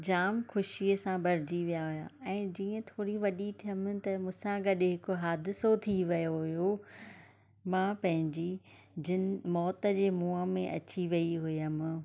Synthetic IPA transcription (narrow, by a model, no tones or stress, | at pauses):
d͡ʑaːmxʊʃiəsãbɐɾɪd͡ʑiʋijaɦʊja̰ɛ̃ːd͡ʑiːə̃t̪ʰoːɽiʋɐɗit̪ʰijəmɪt̪ɐmʊ̃sãɡɐɗɪɦɪkʊɦaːd̪ɪsot̪ʰiʋɐjoɦʊjo | mãːpɐ̃ɦɪ̃ɲd͡ʑi | d͡ʑɪnɪmɔːt̪ə̆d͡ʑeːmuːəmẽʔɐ̰t͡ɕiʋɐiɦʊjəm̆